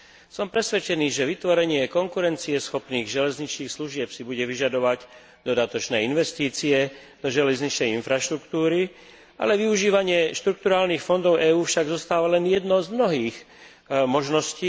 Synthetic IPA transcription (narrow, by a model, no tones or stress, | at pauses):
sɔmpɾɛsʋɛt͡ʃɛniːʒɛʋit̪ʋɔɾɛɲɪɛkɔŋkuɾɛnt͡siɛsxɔpniːɣʒɛlɛzɲit͡ʃniːxsluʒɪɛpsibuɟɛʋiʒad̪ɔʋaɟ | d̪̥ɔd̪at̪ɔt͡ʃnɛːinʋɛst̪iːt͡siɛ | d̪̥ɔʒɛlɛzɲit͡ʃnɛjinfɾaʃt̪ɾukt̪uːɾi | ʔa̰lɛʋiuʒiːʋaɲɪɛʃt̪ɾuk̚t̪uɾaːlniːxfɔnd̪ɔʊʔɛːuːfʃaɡzɔst̪aːʋalɛnjɛd̪nɔzmnɔɦiːx | mɔʒnɔsciː